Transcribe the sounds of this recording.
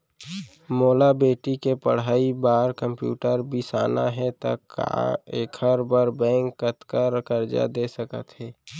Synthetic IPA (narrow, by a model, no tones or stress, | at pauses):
moːlabeːʈikepəɽ̤aːibaːɾkə̃mpjṵːʈəɾbisaːna̰ɦɛt̪a̰ka̰eːkʰəɾbəɾbɛ̃ːŋkːət̪kəɾkəɾd͡ʒa̰d̪esəkə̰t̪ɦɛː